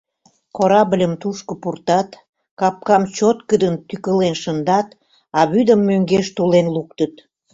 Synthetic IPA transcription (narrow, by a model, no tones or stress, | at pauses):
koɾɑblʲəmt̪uʃkə̆purt̪ɑt̪ | kɑp̚kɑmt͡ɕot̪̚kəd̪ənt̪ykəlenʃənd̪ɑt̪ | ɑβyd̪əmːøŋɡeʃt̪ulenlukt̪ət̪